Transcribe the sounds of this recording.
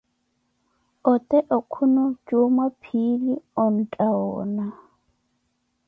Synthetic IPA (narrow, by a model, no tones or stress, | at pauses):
ɔt̪ʼɛʔɔkʰunɔd͡ʒomapʰiliɔn̩tʼaɔ̰ːna